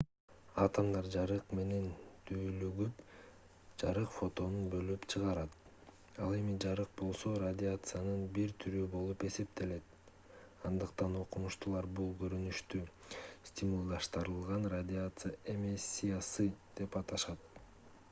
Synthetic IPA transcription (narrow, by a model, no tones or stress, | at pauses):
ɑt̪ɑmd̪ɑɾd͡ʒɑɾɯqme̞ne̞nt̪ʰyːlyɡyp | d͡ʒɑɾɯqfo̞t̪o̞nunbø̞lypt͡ʃʰɯʁɑɾɑt̪̚ | ɑlˠe̞mid͡ʒɑɾɯq̚bo̞lˠso̞ɾadʲɪat̪sɨjanɯnbiɾt̪ʰyɾybo̞lˠupe̞se̞pt̪e̞le̞t̪̚ | ɑnd̪ɯqt̪ɑno̞qumuʃt̪ulˠɑɾbulˠɡø̞ɾynyʃt̪y | sʲt̪ʲɪmulˠd̪ɑʃt̪ɯɾɯlˠʁɑnradʲɪat̪sɨjaʔemʲisʲːijasɯd̪̥e̞pɑt̪ɑʃɑt̪̚